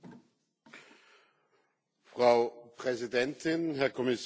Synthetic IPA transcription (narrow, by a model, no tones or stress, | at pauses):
fʁ̥ɑʊpʰʁ̥ɛsidɛntʰɪnɦɛɐkʰɔmɪs